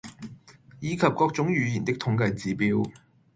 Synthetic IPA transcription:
jiː˨˧kʰɐ˨p̚kɔː˧k̚t͡sʊ˨˥ŋjyː˨˧jiː˨˩nt̪ɪ˥k̚t̪ʰʊ˨˥ŋkɐ˧jt͡siː˨˥piː˨˥w

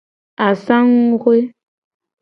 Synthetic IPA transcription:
a˨sa˦ŋ˦ɡwe˦

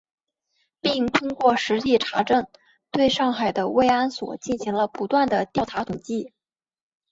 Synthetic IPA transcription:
pi˥˩ŋt̪ʰʊ˥ŋkwɔ˥˩ʂɻ̩˧˥t͡ɕi˥˩ʈ͡ʂʰa˧˥ʈ͡ʂə˥˩n | t̪we˥˧ɪʂɑ˥˩ŋxa˨˩ɪd̪ə˦we˥˧ɪa˥nswɔ̰˨˩t͡ɕi˥˩nɕi˧˥ŋlə˧pu˧˥t̪wa˥˩nd̪ə˩t̪jɑ˥˩ʊʈ͡ʂʰa˧˥t̪ʰʊ˨˩ŋt͡ɕi˥˩

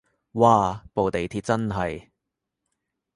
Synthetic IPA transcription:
waː˨˧po˨wt̪e˨jt̪ʰiː˧t̚t͡sɐ˥nɦɐ˨j

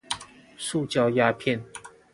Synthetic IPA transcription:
ʂu˥˨t͡ɕjɑ˥˧ʊja˥pʰjɛ˥˨n

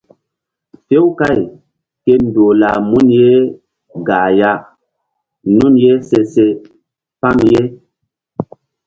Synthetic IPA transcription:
fe˦wka˦˨j | ke˦n̩˨do˨la˨mu˦nje˦ | ɡa˨ja˦ | nu˦nje˦se˦se˦ | pa˦ŋje˦

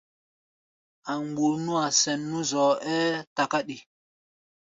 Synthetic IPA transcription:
a˨ŋɡ͡bu˨ɾnũ˦a˨sɛ˨nːũ˦zɔ˨ɛː˦ta˨ka˦ɗi˨

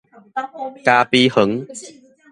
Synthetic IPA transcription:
kaː˧pi˧hə˨˦ŋ

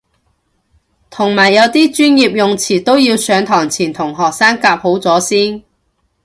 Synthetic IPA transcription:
t̪ʰʊ˨˩ŋmaː˨˩jːɐ˨˧wt̪iː˥t͡ʃyː˥njiː˨p̚jʊ˨ŋt͡sʰiː˨˩t̪o˥wjiː˧wsœː˨˧ŋt̪ʰɔː˨˩ŋt͡sʰiː˨˩nt̪ʰʊ˨˩ŋɦɔː˨k̚saː˥ŋkaː˧p̚ho˨˥wt͡sɔː˨˥siː˥n

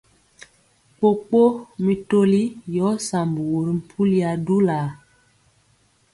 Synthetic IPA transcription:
k͡po˦k͡po˦mi˨to˦li˦jɔ˨˦sa˨mbu˨wu˨ɾi˨˦m̩˨pʰu˦li˦a˨du˦la˨

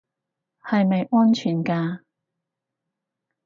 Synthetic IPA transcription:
hɐ˨jmɐ˨jʔɔː˥nt͡ʃʰyː˨˩nkaː˧

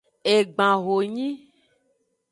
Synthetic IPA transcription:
e˨ɡ͡bã˨ɣo˨ɲĩ˦

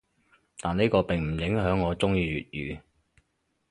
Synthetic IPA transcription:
t̪aː˨ne˥kɔː˧pɪ˨˩ŋm̩˨˩jɪ˨˥ŋɦœː˨˥ŋːɔː˨˧t͡sʊ˥ŋjiː˧ɥy̰ː˨t̚jyː˨˧

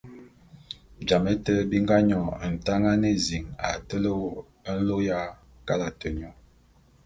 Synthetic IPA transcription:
d͡ʒa˨me˦tə˦bi˦ŋɡa˦ɲɔ˨n̩˨ta˦ŋa˦ne˦zi˨ŋa˨tə˦lə˦w | ə˦n̩˦lo˦ja˦ | ka˦la˨tə˨ɲɔ˨

